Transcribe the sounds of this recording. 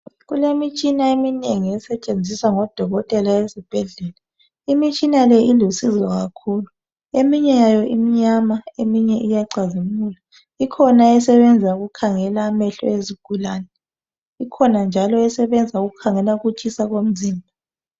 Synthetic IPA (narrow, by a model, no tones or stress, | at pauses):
ɣulemit͡ʃʼinaemineŋijɛsɛt͡ʃʼend͡zʱisaŋɔd̥ʱɔɣɔtʼɛlaezib̥ʱɛɮɛːla | imit͡ʃʼinalɛilusizɔɣakʰulu | emiɲɛjajɔimiɲamaemiɲɛʔijaǀazimula | ikʰɔnaɛsɛβɛnd͡zʱauɣukʰaŋɛlaːmɛɬɔ̰eziɡ̥ʱulaːnɛ | ikʰɔnand͡ʒʱalɔɛsɛβɛnd͡zʱauɣukʰaŋɛlaɣut͡ʃʰʼisaɣom̩ziːmbʱa